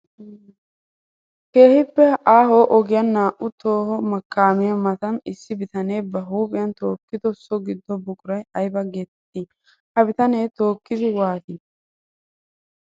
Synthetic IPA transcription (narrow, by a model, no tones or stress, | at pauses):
ke̞ːhɪpːɛaːɦoːʔɔɡɪjɐnːaːʔʊt̪o̞ːhɔmɐkːaːmɪjɐmɐt̪ɐnɪsːɪbɪt̪ɐneːbɐɦuːkʼɪjɐnt̪o̞ːkːɪd̪ɔsɔɡɪd̪ːɔbʊkʼʊɾɐjɐjbɐɡet̪ːɪ | hɐbɪt̪ɐneːt̪o̞ːkːɪd̪ɪwaːt̪ɪ